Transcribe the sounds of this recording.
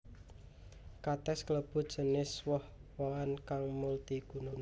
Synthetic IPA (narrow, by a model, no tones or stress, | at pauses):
kat̪ɛskələb̥ṳd̥ʒ̥ə̤nɪswɔhwɔwankaŋmult̪iɡ̥ṳnʊn